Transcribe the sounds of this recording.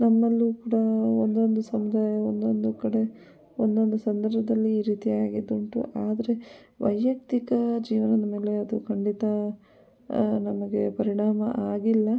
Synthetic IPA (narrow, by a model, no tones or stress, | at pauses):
nɐmːɐlːukuːɽɐond̪o̞nd̪usɐmud̪aːjɐond̪o̞nd̪ukɐɽe̞ | ond̪o̞nd̪usɐnd̪ɐɾbʱɐd̪ɐlːiːɾiːt̪iaːɡid̪uɳʈṵʔaːd̪ɐɾe̞ | ʋɐjːɐk̚t̪ikɐd͡ʒiːʋɐnɐd̪ɐme̞ːle̞ɐd̪ukʰɐɳɖit̪ɐ | nɐmɐɡe̞̰pɐɾiɳaːmɐ̰ʔaːɡilːɐ